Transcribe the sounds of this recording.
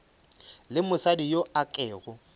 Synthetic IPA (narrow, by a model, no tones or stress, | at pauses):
lɪmʊsadijoakʼɛːɣʊ